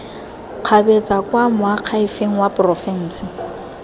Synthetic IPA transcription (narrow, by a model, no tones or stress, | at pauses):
q͡χʰabet͡sʼakʼwamʊaq͡χʰaifeŋ̩wapʼrɔfɛn̩ːsɪ